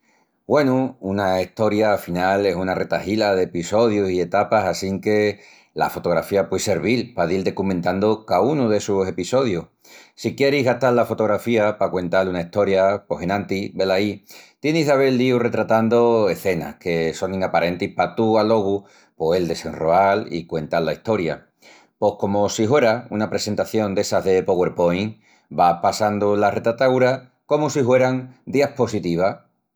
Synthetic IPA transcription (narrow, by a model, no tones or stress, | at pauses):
ɡwe̞nuunaiht̪o̞ɾjaːfinale̞sunare̞t̪ahilaðe̞piso̞ð̞jusie̞t̪apasasiŋke̞ | la̰fo̞t̪o̞ɣ̞ɾafiapwese̞ɾβilpaðild̪e̞kumẽnt̪and̪okaunuðe̞suse̞piso̞ð̞ju | sikje̞ɾiɦɣaht̪allafo̞t̪o̞ɣ̞ɾafiapakwe̞nt̪alunaiht̪o̞ɾjapo̞ɦe̞nãnt̪iβe̞lait̪je̞niɦðaβ̞elːiure̞t̪ɾat̪and̪oe̞θe̞na̰hke̞so̞ŋĩŋapaɾe̞nt̪ihpat̪ualo̞ɣ̞u | poeld̪e̞se̞nroalḭkwe̞nt̪alːaiht̪o̞ɾja̰ | po̞hko̞mosihwe̞ɾaunapɾe̞se̞nt̪aθjo̞nd̪e̞saɦðe̞po̞ɣwe̞ɾpo̞jŋ | bapasand̪olare̞t̪ɾat̪awɾa | ko̞mosihwe̞ɾaŋd̪iahpo̞sit̪iβ̞a